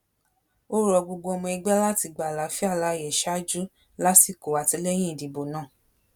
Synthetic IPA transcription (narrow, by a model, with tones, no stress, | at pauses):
o˦ɾɔ˧ɡ͡bo˧ɡ͡bo˧ɔ˧mɔ̃˧ɛ˧ɡ͡bɛ˦la˦ti˧ɡ͡ba˨la˨˦fi˦a˦˨la˧˦˧jɛ˨ʃa˦d͡ʒu˦ | la˦ti˦˨ko˨a˨ti˧lɛ˦j̃ĩ˦i˨di˨bo˨nãː˦˨